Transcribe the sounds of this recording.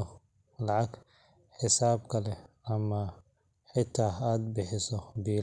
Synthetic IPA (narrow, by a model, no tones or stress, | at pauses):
ɔ | lɑʕɑɡ | ħɪsaːbkʰɐlɛɐmɐ | ħɪt̪ʰːaːaːd̪bɪħɪsɔbiː